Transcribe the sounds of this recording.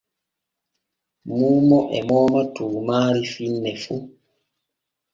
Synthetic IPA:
muːmɔʔɛ̰mɔːmatuːmaːɾifinːɛfu

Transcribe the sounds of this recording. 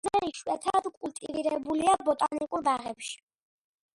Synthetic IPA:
ɛiʃwɛt̪ʰad̪kʼult̪ʼḭviɾɛbuliabɔt̪ʼanikʼulˠbaʁɛpʃi̥

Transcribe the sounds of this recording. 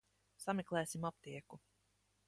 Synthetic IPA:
samɛklˠɛːsimap̚t̪iɛku

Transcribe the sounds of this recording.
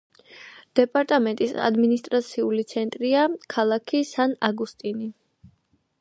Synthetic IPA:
d̪̥ɛpʼaɾt̪ʼamɛnt̪ʼisa̰d̪minist̪ʼɾat̪sʰiulit̪sʰɛnt̪ʼɾiakʰalˠakʰisanaɡust̪ʼini

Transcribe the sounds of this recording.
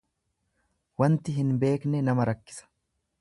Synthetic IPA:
wɐnt̪ɪɦɪnbe̞ːknɛnɐmɐɾɐkːɪ̥sɐ̥

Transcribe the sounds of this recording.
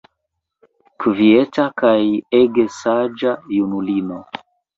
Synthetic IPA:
kvietakajeɡesad͡ʒajunulino

